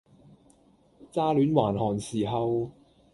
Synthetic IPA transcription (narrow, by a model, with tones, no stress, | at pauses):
t͡saː˥lyː˨˥nwaː˨˩nhɔː˨˩nsiː˨˩ɦɐ˨w